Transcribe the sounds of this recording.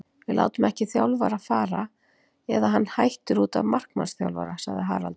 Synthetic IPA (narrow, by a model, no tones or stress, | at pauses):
vɪla̰ːwt̪ʏmɛhcɪθjawlvaɾafaːɾa | ɛðaɦanːhajht̪ʏɾuːt̪a̰vmar̥kma̰nsθja̰wlva̰ɾasaɣðɪɦa̰ːɾa̰lt̪